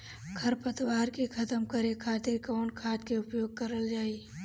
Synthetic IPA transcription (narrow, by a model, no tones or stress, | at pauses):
ɡʱɐɾpət̪waːɾkekʰɐt̪əmkəɾekʰaːt̪ɪɾkɔːnkʰaːt̪keʊpjoːɡ̚kɐɾəld͡ʒaːi